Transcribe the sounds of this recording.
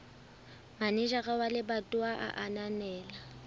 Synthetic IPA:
manɪʒaɣʼawalɪbatʼʊaʔa̰ʔananɛːla

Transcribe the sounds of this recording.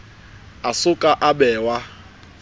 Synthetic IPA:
asʊkʼaʔabɛːwa

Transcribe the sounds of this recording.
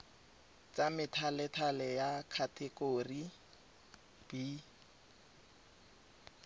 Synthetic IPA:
t͡sʼamɪtʰalɛtʰalɛjakʰatʰɛkoːri | b̥i

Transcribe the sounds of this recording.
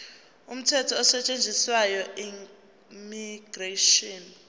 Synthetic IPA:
um̩tʰɛtʰɔːsɛt͡ʃʼend͡zʱiswajɔi | miɡ̥reʃɔn

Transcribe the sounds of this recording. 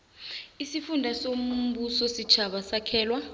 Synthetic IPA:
isifundʱasom̩ɓusɔsit͡ʃʰaɓasakʰɛːlwa

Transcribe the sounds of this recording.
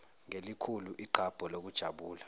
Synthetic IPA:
ŋelikʰuluʔiǃʱab̥ʱɔlok̬ud̥ʒ̥ʱaɓuːla

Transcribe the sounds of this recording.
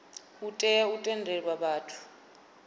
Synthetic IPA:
utʼɛutʼɛndʱɛwaɓaːtʰu̥

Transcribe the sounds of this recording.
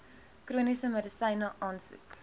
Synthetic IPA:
kruənisəmədəsɛjnəʔɑːnsṵk

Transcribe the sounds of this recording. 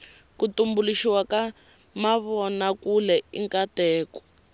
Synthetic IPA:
kutumbuliʃiwaka | maβɔnakulɛḭŋkatɛːkɔ̥

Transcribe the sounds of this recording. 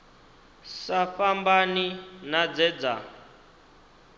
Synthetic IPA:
safambaninad͡zɛd͡za̰

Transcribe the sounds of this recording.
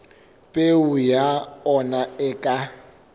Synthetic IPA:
pʼeʊjaɔnaɛkʼa

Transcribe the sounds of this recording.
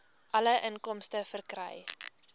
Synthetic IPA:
ʔɐləʔənkɔmstəfərkrɛ̰j

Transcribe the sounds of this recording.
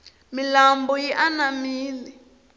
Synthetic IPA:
milambɔjiʔanamiːli

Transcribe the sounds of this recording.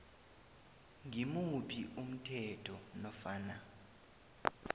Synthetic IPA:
ŋimuɓʰiʔum̩tʰɛtʰɔnɔfaːna

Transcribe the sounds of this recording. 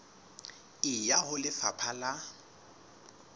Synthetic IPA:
ɪjahʊlɪfapʰala

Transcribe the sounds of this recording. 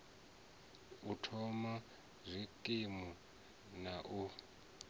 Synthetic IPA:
utʰɔma | zʷikʼimu | naʔu

